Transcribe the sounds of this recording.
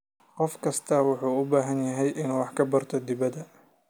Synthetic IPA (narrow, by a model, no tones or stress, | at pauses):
qɔfkʰɐst̪ʰɐwʊħuːʊbaːɦɐnjɐɦɛjʔɪnːwɑħkʰɐbɐrt̪ʰɔd̪ɪβɐd̪ɐ